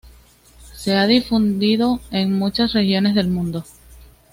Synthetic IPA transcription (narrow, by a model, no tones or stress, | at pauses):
se̞aðifund̪iðo̞eŋmut͡ʃasre̞xjo̞ne̞sðe̞lmũnd̪o̞